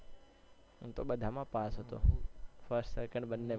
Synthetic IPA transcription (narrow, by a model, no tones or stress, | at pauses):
ɦũt̪oɓəd̪ʱamãpasɦət̪o̰fʰəɾsʈsɛkə̃ɳɖbənːe